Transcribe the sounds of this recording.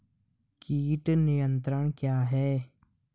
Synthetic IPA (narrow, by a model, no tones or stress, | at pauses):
kiːʈnijə̃nt̪ɾəɽ̃kjaːɦɛː